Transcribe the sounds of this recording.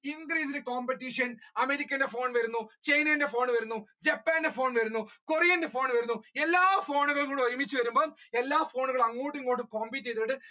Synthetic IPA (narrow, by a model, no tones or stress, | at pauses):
iŋɡɾiːs̬inɨkoːmpeʈːiʂɐnɐmeɾikʲːɐnde̞fo̞ːɳʋɐɾunːut͡ɕɐjnɐinde̞fo̞ːɳʋɐɾunːud͡ʑepːaːndefo̞ːɳʋɐɾunːukorijɐnde̞fo̞ːɳʋɐɾunːuelːaːfoːɳuɣɐɭkuːɽoɾimit͡ɕːɨʋɐɾumbo̞ːɭelːaːfo̞ːɳuɣɐɭɐŋːuːʈːiŋkoːʈːɨkoːmbiːʈ̬ːet̪ːiʈːɨ